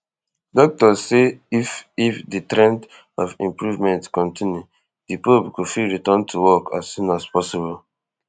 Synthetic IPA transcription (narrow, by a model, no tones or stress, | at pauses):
dɔk̚tɔseififditɹɛ̃nd | ɔfĩmpɹuvmɛ̃ntkɔ̃ntʰĩnju | dipopkufiɹitɔ̃ntʰuwɔka̰sːũnaspɔsibɔl